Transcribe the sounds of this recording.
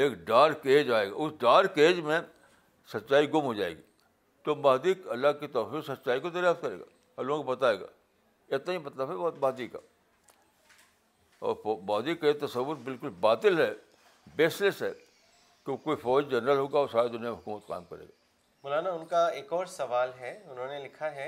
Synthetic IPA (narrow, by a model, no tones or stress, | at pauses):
eːkɖaːɾkeːd͡ʒaːeːɡa̰ːʊsɖaːɾkeːd͡ʒmẽ | sɐtːʃaːiɡʊmɦod͡ʒaːḛːɡi | t̪omaːd̪iːkɐlːakit̪ɔːɾfisɐtːʃaːikod̪ɐɾjaːt̪̚kɐɾḛːɡa̰ː | ɐlõkobɐt̪aːeːɡa̰ː | ɪt̪naɦibɐt̪laːbɛbɔːt̪baːd̪iːka̰ː | ɔ̰ːɾmaːd̪iːkːajet̪ɐsəʋːʊɾbɪlkʊlbaːt̪ɪlɦɛ | beːslɪsɦɛ | keokoːifɔːd͡ʒd͡ʒɐnɾəlɦoːɡaɔːɾsaːɾed̪ʊnijameɦʊkuːmət̪ka̰ːmkɐɾḛːɡaː | mʊlaːnaʊnkaeːkɔːɾsɐʋaːlɦɛʊnɦõnelɪkʰaɦɛ